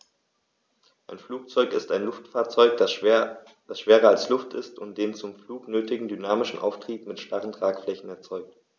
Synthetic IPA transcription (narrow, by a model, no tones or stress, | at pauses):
ʔaɪnfluːk̚t͡sɔʏkɪstaɪnlʊftfaːɐt͡sɔʏk̚d̥ | d̥asʃv̥eːʁɐalslʊftɪ̰stʊnt̚d̥eːnt͡sʊmfluːknøːtɪɡŋ̩dynaːmɪʃn̩ʔa̰ʊftʁ̥iːpmɪtʃtaʁəntʁ̥aːkflɛçn̩ɛɐt͡sɔʏk̚t